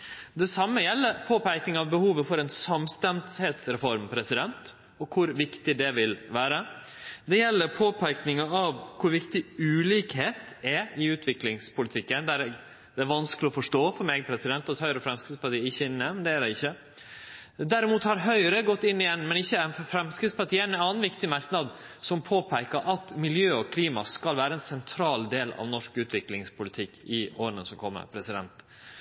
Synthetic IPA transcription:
d̪ɛsɑmːəjɛlːəɾpʰoːpʰæɪknɪŋɑʋbəhuːʋəfɔɾɛnsɑmst̪ɛnsheːt̪sɾɛfɔɾmpʰɾɛsɪd̪ɛnt̪ | ɔkʰʊɾʋɪkt̪ɪd̪ɛʋɪlʋæːɾə | d̪ɛjɛlːəɾpʰoːpʰæɪknɪŋəɑʋkʰʊɾʋɪkt̪ɪʉːliːkheːt̪ | ɛɪʉːt̪ʰʋɪklɪŋspʊlɪt̪ʰɪkːənd̪æɾɛɡ | d̪ɛæɾʋɑnsklɪɔfɔʂʈoːfɔɾmɛːɡ̚pʰɾɛsɪd̪ɛnt̪ɑt̪hœʏəɾəfɾɛmskɾɪt̪spɑʈiːəɪçːəɪnːɛmɛnd̪ɛæɖɛɪçːə | d̪æɾɪmuːt̪hɑɾɦœʏəɾəɡɔt̪ːɪnːɪjɛnːmɛnɪçːəæɪnfɾɛmskɾɪt̪spɑʈiːɛnɑːnʋɪkt̪ɪmɑɾknɑd̪ | sɔmpʰoːpʰæɪkəɾʔɑt̪mɪljøːɔkʰliːmɑskɑlʋæːɾəɛnsɛnt̪ʰɾɑːld̪eːlɑ̰ʋnɔʂkʉːt̪ʰʋɪklɪŋspʰʊlɪt̪ʰɪkːɪoːɾənə̰sɔmkʰɔmːə̰ɾpʰɾɛsɪd̪ɛ̰nt̪

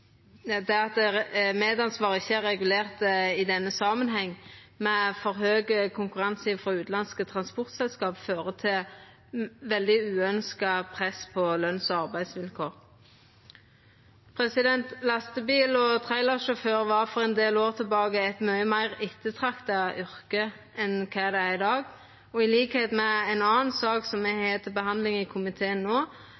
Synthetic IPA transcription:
d̪ɛɑt̪̚meːd̪ɑnsʋɑːʁəɪçːəæʁːɛɡʉleːʁt̪əɪd̪ɛnːəsɑmənɦɛŋːmɛfɔɾɦøːɡəkʰʊŋkʉʁɑnsɪfɾɔʉːt̪lɑnskət̪ʰʁɑnspʊʁt̪sɛlskɑːpføːʁət̪ʰɪl | ʋɛld̪ɪʉːœnskɑpʰʁɛspʰɔlœnsɔɑʁbæɪd̪sʋɪlkʰoːʁ | pʰʁɛsɪd̪ɛnt̪lɑst̪əbiːlɔt̪ʰʁæɪlɑʁʃɔføːʁʋɑʁfɔʁɛnd̪eːloːʁt̪ʰɪlbɑːɡəɛt̪mœʏmæɪʁɪt̪ːət̪ʰʁɑkt̪ɑʏʁkə | ɛnkʰæːd̪ɛæʁɪd̪ɑːɡ | ɔɪliːkheːt̪mɛɛɪnɑːnsɑːksɔmmɛheːt̪ʰəbəhɑnd̪lɪŋɪkʰʊmɪt̪ʰeːənnoː

